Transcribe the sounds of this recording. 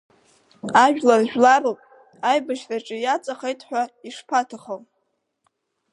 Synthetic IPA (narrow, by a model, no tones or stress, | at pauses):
aʒᶣlarʒᶣlaɾɨlpʼ | ajbaʃraʈ͡ʂʼɨjat͡sʼaχejtʼħʷᶣaiʂpʰatʰaχəl